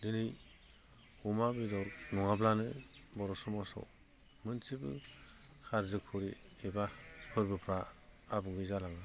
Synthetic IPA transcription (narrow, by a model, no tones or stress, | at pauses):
dɯnɯj | umabidɔwnɔŋablanɯbɔɾɔsɔmɔsɔ̰ | mɯnsibɯ̰ | kʰaɾzɯkʰɯɾiebapʰɯɾbɯpʰɾaːbɯŋɡɯjzalaŋɯ